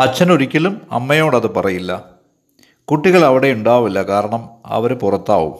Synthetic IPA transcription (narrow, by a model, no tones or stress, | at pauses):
ɐt͡ɕːɐnuɾikʲːɐlumɐ̰mːɐjo̞ːɽɐðɨpɐrɐjilːɐ | kuʈːiɣɐɭɐʋiɽe̞uɳɖaːʋilːɐkaːɾɐɳɐmɐ̰ʋɐɾupurɐt̪ːa̰ːʋṵm